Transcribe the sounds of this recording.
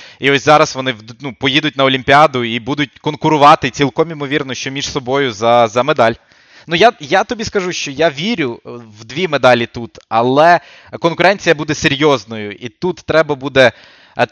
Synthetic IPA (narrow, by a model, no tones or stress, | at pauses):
iɔsʲzɑɾɐsʋɔnɪd̪ʲnupɔjid̪ʊt̚ʲnɐɔlʲimʲpʲiɑd̪ʊibud̪ʊt̚ʲkɔnkʊɾʊʋɑt̪ɪt͡sʲilˠkɔmimɔʋʲirnɔʃt͡ʃɔmʲiʂsɔbɔjʊzɐzɐmed̪ɑlʲ | nujajat̪ɔbʲiskɐʒuʃt͡ʃɔjaʋʲiɾʲʊwd̪ʋʲimed̪ɑlʲit̪ut̪ɐlˠɛ | kɔnkʊɾɛnʲt͡sʲijɐbud̪ɛseɾʲjɔznɔjʊʔit̪ut̪ːɾɛbɐbud̪ɛ